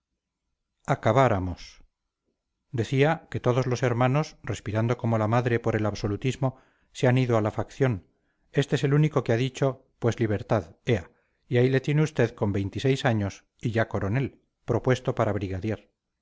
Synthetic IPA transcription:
akaβaɾamo̞s | d̪e̞θiake̞t̪o̞ð̞o̞zlo̞se̞ɾmãno̞sre̞spiɾand̪o̞ko̞mo̞lamaðɾe̞po̞ɾe̞laβso̞lut̪izmo̞ | seaniðoalafakθjo̞n | e̞st̪eese̞luniko̞keaðit͡ʃo̞ | pwe̞zliβ̞e̞ɾt̪aðea | iaile̞t̪je̞neust̪e̞ðko̞mbe̞jnt̪isejsaɲo̞s | iʝako̞ɾo̞ne̞l | pɾo̞pwe̞st̪o̞paɾaβ̞ɾiɣaðjeɾ

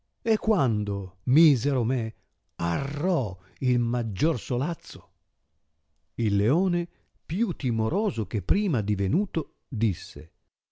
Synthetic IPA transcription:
ekːwand̪omiːzeɾome | arɔ | ilmad͡ʒːorsolat̪sːo̥ | ilːeoːne | pjut̪ːimoɾɔːzok̟epːɾiːmad̪ivenuːt̪o | d̪isːḛ

